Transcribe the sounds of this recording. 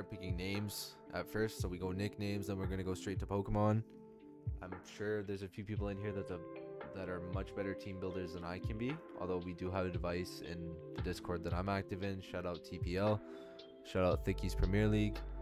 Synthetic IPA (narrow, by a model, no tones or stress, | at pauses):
tɹt̚pʰɪkɪ̃ŋnẽɪ̃mz̥ | ʔɨtfɜ˞stsoʊwiɡoʊnɪknẽɪ̃mzðə̃nwɨɹɡʌ̃ñɨɡoʊstɹ̥eɪtʰəpʰoʊkəmɑ̃n | ʔã̰ɪ̃mʃʊɹðə˞zɨfjʉpipl̩ˠɨ̃nɦiɹðɨtəðɨɾə˞mʌt͡ʃb̥ɛɾə˞tʰĩmbɪlˠdə˞zðə̃naɪkʰɨ̃nbiʔɔ̰lˠðoʊwidɨəvɨdvaɪsɪ̰̃nðɨdɪskʰɔɹd̪̚ðɨɾãɪ̃mæk̚tɨvɪ̃nʃaʊɾaʊtʰipʰiɛlˠ | ʃaʊɾaʊt̪̚θɪkiz̥pʰɹ̥ɨmɪɹliɡ̥